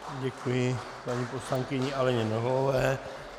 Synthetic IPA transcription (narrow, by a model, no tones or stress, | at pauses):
ɟɛkujɪ | paɲiposlaŋkɪɲɪalɛɲɛnɛɦoovɛː